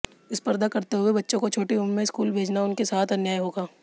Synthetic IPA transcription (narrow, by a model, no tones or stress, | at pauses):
ɪspɐɾd̪akɐɾt̪eɦʊebɐtːʃõkot͡ʃʰoːʈiʊmmẽskuːlbʱeːd͡ʒnaʊnkesaːt̪ʰɐnjaːiɦoːɡaː